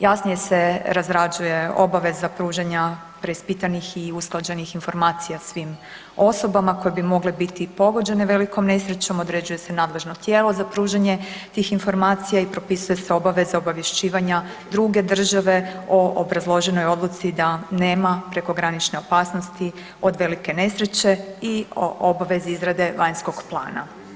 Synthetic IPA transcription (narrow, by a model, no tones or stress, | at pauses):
jasnije̞se̞ɾazɾad͡ʒuje̞o̞̰baʋe̞zapɾuːʒeɲa | pɾe̞ispit̪anixiusklˠad͡ʑe̞nixinfo̞ɾmaːt̪sijasʋim | o̞so̞bamako̞jebimo̞ɡlebit̪ipo̞ɡod͡ʑe̞neʋe̞liko̞mne̞sɾet͡ɕo̞mo̞d̪ɾe̞d͡ʑuje̞se̞naːd̪le̞ʒno̞t̪jeːlˠo̞zapɾuːʒeɲe̞t̪iːxinfo̞ɾmaːt̪sijaipɾo̞pisuje̞se̞o̞baʋe̞zao̞baʋjeʃt͡ɕiːʋaɲa | d̪ɾuɡe̞d̪r̩ʒaʋe̞o̞ʔobɾazlˠo̞ʒe̞no̞jo̞d̪lˠut̪sid̪ane̞ːmapɾe̞ko̞ɡɾanit͡ʃne̞o̞paːsnost̪i | o̞d̪ʋe̞like̞ne̞sɾe̞t͡ɕe̞ioobaʋe̞zeizɾad̪e̞ʋajɲsko̞ɡplˠa̰ːna̰